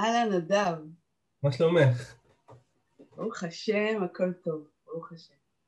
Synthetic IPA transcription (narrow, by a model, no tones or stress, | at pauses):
ʔalanad̪av | maʃlomeχ | uχaʃemakolt̪o̞v | uχaʃem